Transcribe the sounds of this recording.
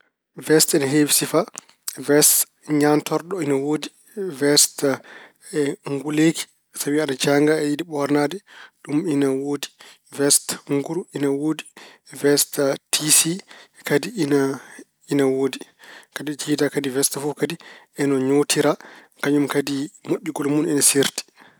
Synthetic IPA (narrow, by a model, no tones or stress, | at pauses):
vɛstɛnɦevsifa | vɛst | ɲantɔɾɗɔinawodi | vɛst | ɛŋɡuleki̥ | sawiaɗad͡ʒaŋɡaɛjidiɓɔɾnadɛɗuminawoːdi | vɛstŋɡuɾuinawoːdi | vɛstatʰisikadiina | inawoːdikadid͡ʒidakadivɛstafukadi | ɛnɔɲotiɾa | kaɲumkadimoɗʲːiɡɔlmunɛnasiɾti̥